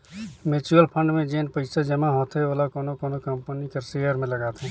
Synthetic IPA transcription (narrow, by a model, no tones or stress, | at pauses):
meːt͡ʃuəlpʰə̃ɳɖmẽd͡ʒeːnpəɪsad͡ʒɐmaɦõt̪ʰeoːlakoːnokoːnokɐ̃mpənikɐɾseːjəɾmẽlɐɡaːt̪ɛ̃